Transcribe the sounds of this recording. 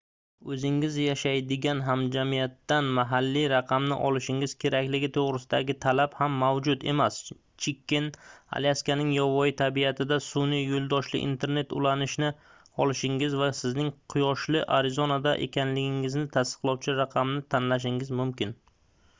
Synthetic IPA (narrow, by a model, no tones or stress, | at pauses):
ɵzɪŋɪzjaʃajd̪ɪɡʲanɦamd͡ʒamijat̪ːanmaɦalːiɾɑqʰɑmnɪʔɒlɪʃɪŋɪz̥kʲʰe̞ɾakʲlɪɡʲɪt̪ʰoʁɾɪsɪd̪aɡʲɪt̪ʰalabhamːawd͡ʒʊd̪e̞̰mas | t͡ʃʰɪkʲʰːɪna̰liaskʲanɪŋjɒvɒjɪt̪ʰabijat̪ʰɪd̪asʊnijolˠd̪ɒʃlɪ̰ʔḭnt̪ʰe̞ɾne̞t̪ʊ̰lanɪʃnɪ | ɒlˠɪʃɪŋɪzvasɪznɪŋqʰʊjɒʃlɪʔaɾɪzonad̪aʔḛkʲʰanlɪɡʲɪŋɪznɪt̪ʰast̪ɨ̥qlˠɒwt͡ʃʰɪɾaqʰɑmnɪt̪ʰanlaʃ̬ɪŋɪzmʊmkʲɪn